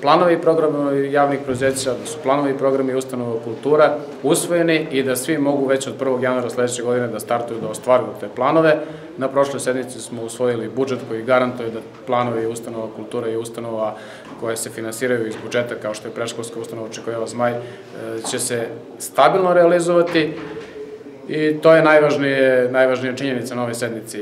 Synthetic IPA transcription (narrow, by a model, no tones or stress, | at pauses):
plˠano̞ʋiipɾo̞ɡɾamjaːʋnixpɾed̪uze̞ːat͡ɕad̪asu̥plˠano̞ʋiipɾo̞ɡɾamaiust̪ano̞ʋakulˠt̪uːɾa | usʋo̞jeniid̪asʋimo̞ɡuʋe̞t͡ɕo̞d̪̚pr̩ʋo̞ɡjanuaːɾasle̞d̪et͡ɕe̞ɡo̞d̪ine̞d̪ast̪aɾt̪ujud̪aost̪ʋaːɾujut̪e̞ːplˠano̞ʋe̞ | napɾo̞ʃlˠojse̞d̪mit̪sismo̞usʋo̞jilibud͡ʒe̞t̪ko̞jiɡaɾant̪ujud̪a | plˠaːno̞ʋiust̪ano̞ʋakulˠt̪uːɾaiust̪ano̞ʋa | ko̞jesefinansiːɾajuizbud͡ʒe̞t̪akao̞ʃt̪ojepɾeʃkolskaust̪ano̞ʋaot͡ʃekoʋilazmaj | t͡ɕe̞se | st̪abilˠno̞ɾealizoʋat̪i | it̪oːjenajʋaʒnijenajʋaʒnijaʈ͡ʂiɲe̞nit̪sanao̞ʋojse̞d̪mit̪si